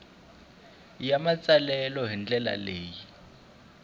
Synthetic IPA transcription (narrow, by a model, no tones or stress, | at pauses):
jamat͡sʼalɛlɔɦind͡ɮʼɛla̰leːji